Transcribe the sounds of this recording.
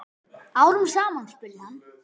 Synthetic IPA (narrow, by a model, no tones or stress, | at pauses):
awɾʏmsaːmanspɪlnan